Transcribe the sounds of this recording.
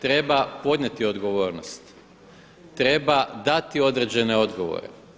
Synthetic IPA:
t̪ɾe̞bapo̞d̪ɲet̪io̞d̪ɡo̞ʋo̞ːɾnost̪ | t̪ɾe̞bad̪at̪io̞d̪ɾe̞d͡ʑe̞ne̞o̞d̪ɡo̞ʋo̰ɾe̞̰

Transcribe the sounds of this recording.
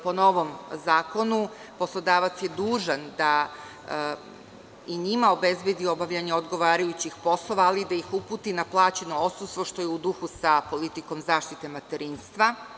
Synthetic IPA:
po̞no̞ʋo̞mzaːko̞nu | po̞slˠo̞d̪aːʋat̪sjed̪uːʒand̪a | iɲimao̞be̞zbed̪io̞baʋʎaɲeo̞d̪ɡo̞ʋaːɾajut͡ɕixpo̞slˠo̞ʋaːlid̪aixupuːt̪inaplˠaːt͡ɕe̞no̞ot̪sust̪ʋoʃt̪o̞jeud̪uxusapo̞lit̪iko̞mzaːʃt̪it̪e̞mat̪eɾiːnst̪ʋa

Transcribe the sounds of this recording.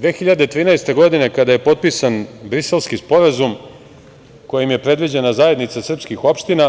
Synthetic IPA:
d̪ʋe̞ːxiʎad̪et̪ɾiːnaest̪e̞ɡo̞d̪ine̞kad̪aje̞po̞t̪̚pisanbɾise̞lskispo̞ɾazum | ko̞jimje̞pɾe̞d̪ʋid͡ʑe̞nazaje̞d̪nit̪sasr̩pskixo̞pʃt̪ina

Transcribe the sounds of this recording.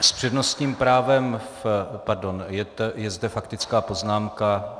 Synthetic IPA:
spr̥ɛdno̞st̪ɲiːmpɾaːvɛm | paɾdonjɛt̪ɛjɛzd̪ɛfakt̪ɪt͡skaːpo̞znaːmka

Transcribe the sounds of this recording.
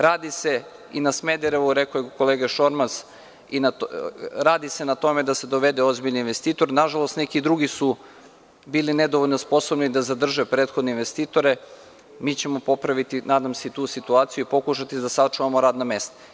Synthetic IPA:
ɾaːd̪ise̞ | inasmed̪eɾeʋuɾe̞kojeko̞leːɡaʃo̞ɾmas | inaɾaːd̪ise̞nat̪o̞me̞d̪ase̞d̪o̞ʋe̞d̪eo̞zbiʎninʋe̞st̪iːt̪o̞ɾnaʒalˠo̞st̪nekid̪ɾuɡisu | biːline̞d̪oʋolnospo̞so̞bnid̪azad̪r̩ʒepɾeːt̪xo̞d̪neinʋest̪iːt̪o̞ɾe̞ | miːt͡ɕe̞mopo̞pɾaʋit̪inaːd̪amse̞it̪uːsit̪uaːt̪sijuipo̞kuʃat̪id̪asat͡ʃuʋamoɾaːd̪name̞st̪ḁ

